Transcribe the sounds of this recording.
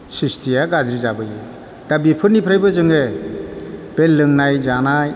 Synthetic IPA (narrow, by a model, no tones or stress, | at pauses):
sistʰijaɡazɾizabɯjɯ | d̥abipʰɯɾnipʰɾajbɯzɯŋe | b̥elːɯŋnajzanaj